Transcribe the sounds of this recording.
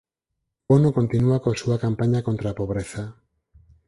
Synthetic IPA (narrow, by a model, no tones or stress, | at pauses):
onoko̞nt̪inuakosuakampaɲakont̪ɾapoβɾeθa